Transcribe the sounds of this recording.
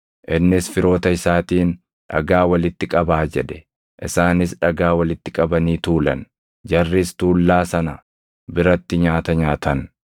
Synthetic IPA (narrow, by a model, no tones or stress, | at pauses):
ʔɪnːɪsfɪɾo̞ːt̪ɐɪsaːt̪iːn | ᶑɐ̰ɡaːwɐlɪt̪ːɪkʼɐbaːd͡ʒɛᶑɛ̥ | ʔɪsaːnɪsᶑɐɡaːwɐlɪt̪ːɪkʼɐbɐniːt̪uːlɐ̰n | d͡ʒɐrːɪst̪uːlːaːsɐnɐ | bɪɾɐt̪ːɪɲaːt̪ɐɲaːt̪ɐn